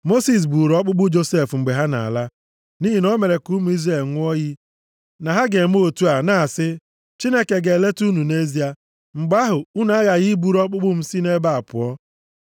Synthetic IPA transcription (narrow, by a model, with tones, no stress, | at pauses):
mo˦si˨s̬bu˨ɾɔ˦k͡pʊ˦ɡ͡bʊ˦d͡ʒo˦se˨fŋ͡m̩˨ɡ͡be˨ɦa˦na̰˨a̰˨la˦ | ni˦ɦi˨nɔ˦me˨ɾe˨ku˦mu˨i˦zɾe˦˨lŋʷʊ˦ɔ˦ɣi˦ | na˨ɦa˦ɡe˨m˦o˦˨tu˦a˨na˨sɪ˦ | t͡ʃi˦ne˦ke˨ɡe˨le˦tu˦nu˨ne˦zi˦a˨ | ŋ͡m̩˨ɡ͡ba˦ɦʊ˨u˦n˨a˦ɣa˨ɣi˦bu˨ɾɔ˦k͡pʊ˦bʊ˦m̩˦si˦ne˦ba˦a˨pʊ̰˨ɔ˦